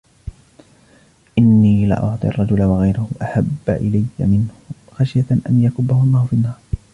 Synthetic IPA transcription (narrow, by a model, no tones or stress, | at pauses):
ʔɪnːiːlɪ̰ʔʊ̰ʕt̪ˤḭʔɑ̰rˤːɑd͡ʒʊlawaɣajɾʊhʊʔaħabːa̰ʔɪlajːa̰mɪnhʊ | xaʃjaʔa̰njakʊbːahʊʔlˤːɑːhʊfinːɑːɾˤ